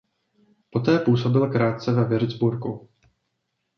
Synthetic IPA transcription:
po̞t̪ɛːpuːso̞bɪlkɾaːt̪̚t͡sɛvɛvɪɾɪd͡zbuɾku

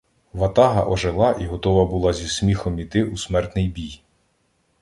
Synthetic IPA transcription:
ʋɐt̪ɑɦɐʔɔʒelˠɑʔiɦɔt̪ɔʋɐbʊlˠɑzʲismʲixɔmit̪ɪusmɛrt̪nɪjbʲij

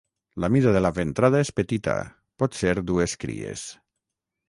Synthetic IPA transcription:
lamiðaðelaβent̪ɾað̞aespet̪it̪a̰ | pɔt̪seɾd̪ueskɾḭḛs

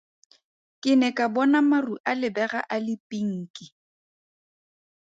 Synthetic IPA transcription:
kʼɪnɛkʼabɔnamaruʔalɪbɛɣaʔalɪpʼiŋ̩kʼi

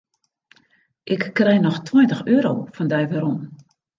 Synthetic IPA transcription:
ʔɪkːrɛjnɔxtʰwɔjntəxøːɾo̰wfɔndɛjʋɛɾɔn

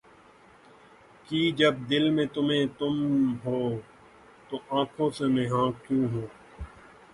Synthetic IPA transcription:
kiːd͡ʒəb̚d̪ɪlmẽːt̪ʊmẽːt̪ʊmɦoː | t̪oʔãːkʰõːsemẽːɦãːkjũːɦũː

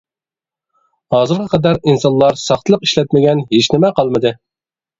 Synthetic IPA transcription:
hɑːzɨɾʁʰɑqʰɑd̪æɾinsɑnlˠɑɾsɑχt̪ʰəlˠəqiʃlɛt̪̚mɪɡʲɛnɦet͡ʃnɪmɛqʰɑlˠmɨd̪ɨ

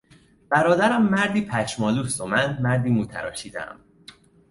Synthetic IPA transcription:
b̥æɾɒːd̪æɾæmːæɾd̪iːpʰæt͡ʃmɒːluːst̪o̞mænmæɾd̪iːmuːt̪ʰæ̰ɾɒ̰ːʃiːd̪æ̰æ̰m

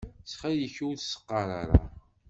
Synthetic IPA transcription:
sχæjəçuwθsə̥qːɑɾa̰ɾa̰

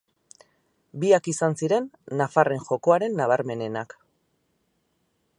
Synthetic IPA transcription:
biakisansiɾe̞nːafare̞ŋʝo̞ko̞aɾe̞nːaβ̞aɾme̞ne̞nak

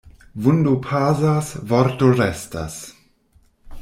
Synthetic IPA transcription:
vundupʰaːzasvɔɾtoɾɛsta̰s

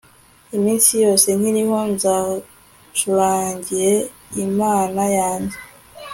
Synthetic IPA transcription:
imiːnsijo̞ːse̞nhiɾiho̞nza | tʰuɾaːɲɟiɾe̞ | imaːnajaːɲɟe

